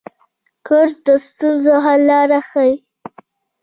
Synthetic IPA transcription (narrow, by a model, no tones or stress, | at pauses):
kəɾzd̪əst̪unzoɦalːɑɾaxawi